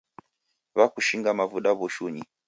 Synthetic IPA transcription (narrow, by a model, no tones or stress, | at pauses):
βakuʃiŋɡamavuɗaβɔʃuɲi